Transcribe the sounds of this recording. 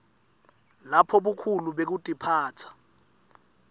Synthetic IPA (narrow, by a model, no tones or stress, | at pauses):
lapʰɔɓukʰuluɓek̬utʼipʰaːt͡sʰḁ